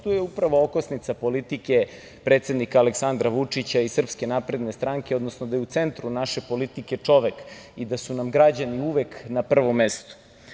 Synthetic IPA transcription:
t̪ujeupɾaʋo̞okosnit̪sapo̞lit̪ike̞ | pɾe̞ːt̪se̞d̪nikaːleksand̪ɾaʋut͡ʂit͡ɕaisr̩pske̞napɾe̞d̪ne̞st̪ɾaŋkeod̪nosnod̪ajeut̪se̞nt̪ɾunaʃe̞po̞lit̪ike̞t͡ʂo̞ʋek | id̪asunamɡɾad͡ʑaniuʋeknapr̩ʋo̞mːest̪u̥

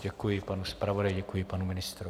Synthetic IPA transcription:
ɟɛkujɪpanuspɾavodajɟɛkujɪpanumɪnɪst̪ɾu

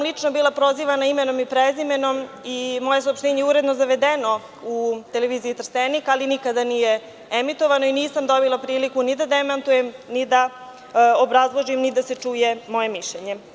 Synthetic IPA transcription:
mlˠit͡ʂnobiːlˠapɾo̞ziʋanaimeno̞mipɾezime̞no̞m | imo̞je̞suopʃt̪eːɲeuɾed̪nozaʋe̞d̪eno̞ | ut̪eleʋiːziːt̪r̩st̪enikalinikad̪anije | emit̪oʋano̞iniːsamd̪o̞bilˠapɾiːlikunid̪ad̪emant̪ujemnid̪a | obɾazlˠoʒimnid̪aset͡ʂuːjemo̞jemiʃʎeɲe

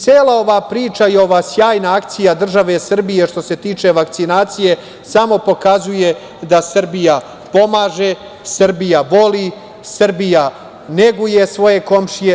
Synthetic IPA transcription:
t̪seːlˠao̞ʋapɾiːt͡ʃaijo̞ʋaːsjaːjnaakt̪sijad̪r̩ʒaʋesr̩bije̞ʃt̪o̞se̞t̪iːt͡ʃe̞ʋakt̪sinaːt̪sije̞ | samo̞po̞kazuje̞ | d̪asrbija | po̞maːʒe̞ | srbijaʋo̞li | srbija | ne̞ɡuje̞sʋo̞je̞ko̞mʃije

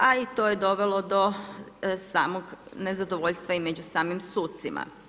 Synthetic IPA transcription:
ait̪o̞ːje̞d̪o̞ʋe̞lˠod̪o̞ | saːmoɡne̞zad̪o̞ʋoʎʲst̪ʋaimed͡ʑusaːmimsuːt̪simʔa̰

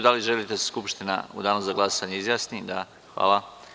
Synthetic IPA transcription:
d̪aliʒelit̪eskupʃt̪ina̰ṵd̪aːnuzaɡlˠasaɲeizjaːsnid̪a | xʋa̰ːlˠa

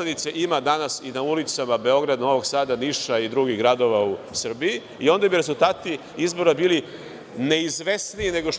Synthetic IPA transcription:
ed̪it̪seʔimad̪anasinaulit̪samabe̞o̞ɡɾad̪no̞ʋo̞ɡsaːd̪aniʃaid̪ɾuɡiɣɡɾad̪o̞ʋausr̩bii | io̞nd̪abiɾe̞zulˠt̪aːt̪i | izbo̞ɾabiːli | ne̞izʋe̞sniine̞ɡoʃ

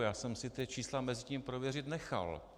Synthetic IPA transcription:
jaːsɛmsɪt̪ɪt͡ʃiːslamɛzɪciːmpɾovjɛrɪt̪nɛxa̰l

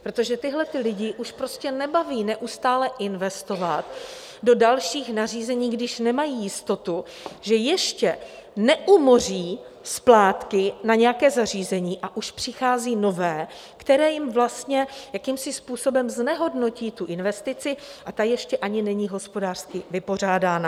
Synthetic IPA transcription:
pɾot̪o̞ʒɛt̪ɪɦlɛt̪ɪlɪɟɪʔuʃpɾo̞scɛnɛbaviːnɛʔust̪aːlɛʔɪnvɛst̪o̞vat̪ | do̞dalʃiːxnar̝iːzɛɲiːɡdɪʃnɛmajiːjɪst̪o̞t̪u | ʒɛjɛʃcɛnɛʔumo̞r̝iː | splaːt̪kɪnaɲɛjakɛːzar̝iːzɛɲiːʔaʔuʃpr̝̥ɪxaːziːno̞vɛː | kt̪ɛɾɛːjɪmvlast̪ɲɛjakimsɪspuːso̞bɛmznɛɦo̞dno̞ciːt̪uʔɪnvɛst̪ɪt͡sɪʔat̪ajɛʃcɛʔaɲɪnɛɲiɦo̞spo̞daːr̥skɪvɪpo̞r̝aːdaːna

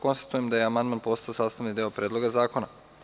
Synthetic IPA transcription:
ko̞nst̪ḁt̪uje̞md̪ajeamand̪manpo̞st̪aosaːst̪aʋnid̪eopɾʲed̪lo̞ɡazaːko̞na

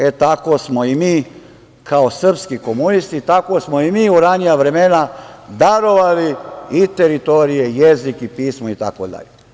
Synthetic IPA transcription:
et̪akosmoimiː | kʰaosr̩pskikomunist̪it̪ako̞smoimiːuɾanijaʋɾemenad̪aɾo̞ʋaliit̪eɾit̪oɾije̞jezikipiːsmoit̪a̰kod̪a̰ʎe

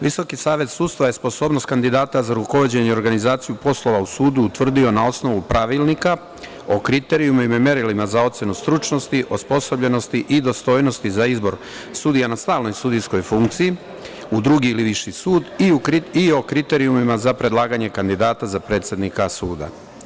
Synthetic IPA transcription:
ʋiso̞kisaːʋe̞t̪suːd̪st̪ʋaje̞spo̞so̞ːbnost̪kand̪id̪aːt̪azaɾuko̞ʋo̞d͡ʑe̞ɲeo̞ɾɡanizaːt̪sijupo̞slˠo̞ʋausuːd̪uːt̪ʋr̩d̪io̞nao̞sno̞ʋupɾaʋilˠnika | o̞kɾit̪e̞ɾiumimame̞ɾilimazao̞t̪se̞nust̪ɾut͡ʃno̞st̪iʔo̞spo̞sobʎe̞no̞st̪iʔid̪o̞st̪o̞ːjno̞st̪izaizbo̞ɾ | sud̪ijanast̪aːlno̞jsud̪ijsko̞jfuŋkt̪siji | ud̪ɾuɡiːliʋiʃjisuːd̪iuiio̞kɾit̪e̞ɾiumimazapɾe̞d̪lˠaːɡaɲe̞kand̪id̪aːt̪azapɾe̞ːt̪sje̞d̪nikasuːd̪a̰

